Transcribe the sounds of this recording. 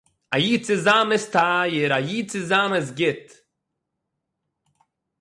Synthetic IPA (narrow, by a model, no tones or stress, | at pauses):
ajiːt͡sɪzaːmɪstaːjɪɾajiːt͡sɪzaːmɪs̬ɡɪt